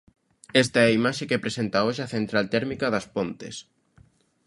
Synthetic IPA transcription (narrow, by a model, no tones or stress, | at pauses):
est̪ɐɛimaʃekepɾesent̪aoʃeɐθent̪ɾalt̪ɛɾmikɐðɐspont̪ḛs